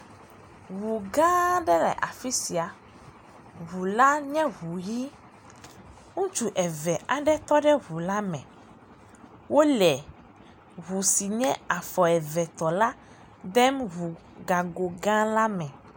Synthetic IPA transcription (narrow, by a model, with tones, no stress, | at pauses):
ɣu˨ɡã˦ɖɛ˦lɛ̰˨ʔa˨fi˦si˨a˨ | ɦu˨la˦ɲɛ̃˦ɦu˨ji˦ | ŋũ˦t͡ʃu˨ʔɛ˨vɛ˨ʔa˨ɖɛ˦t̪ɔ˦ɖɛ˦ɦu˨la˦mɛ̃˨ | wo˦lɛ˨ | ɦu˨si˨ɲɛ̰̃˦a˨fɔ˨ɛ˨vɛ˨t̪ɔ˨la˦ | d̪ɛ˦mɦu˨ | ɡa˨ɡo˨ɡã˦la˦mɛ̃˨